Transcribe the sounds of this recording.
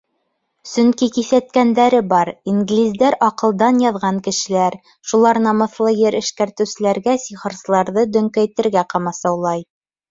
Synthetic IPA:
sɵŋkikiθæt̪̚kænd̪æɾɘbɑɾiŋɡlʲizd̪æɾɑqɤ̆lˠd̪ɑnjɑðʁɑŋkɘ̆ʃɘ̆læɾ | ʃulˠɑɾnɑmɤ̆θlˠɤjɘɾɘ̆ʃkæɾt̪ɘ̆wsɘ̆læɾɡæsiχɤ̆ɾsɤ̆lˠɑɾðɤd̪ɵ̆ŋkæjt̪ɘ̆ɾɡæqɑmɑsɑwlˠɑj

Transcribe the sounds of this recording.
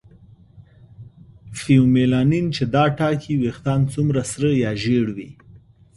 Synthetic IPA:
fiumelɑnint͡ʃed̪ɑʈɑkʰiwext̪ɑnt͡sumɾasɾəjɑʒeɽwḭ

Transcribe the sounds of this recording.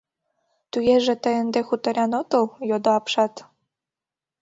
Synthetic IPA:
t̪ujeʒĕt̪ə̆jə̆nd̪exut̪ɤ̆ɾʲɑnot̪ɤljod̪oɑpʃɑt̪

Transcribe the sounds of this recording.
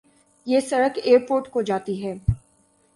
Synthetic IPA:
jeːsɐɾəkeːɾpoːɾʈkod͡ʒaːt̪iɦɛː

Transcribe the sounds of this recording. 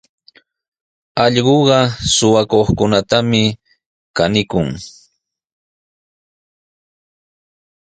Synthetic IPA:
ɑʎɢoɢɑsʊwakoχkʊnat̪amɪ | kanɪkʊŋ

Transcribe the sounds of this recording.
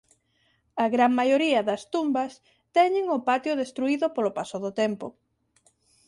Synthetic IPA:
ɐɣɾaŋmajoɾiɐðɐst̪umbɐs | t̪ɛɲɪŋʊpat̪jʊðest̪ɾuiðʊpolopasoðʊt̪ɛmpʊ̰

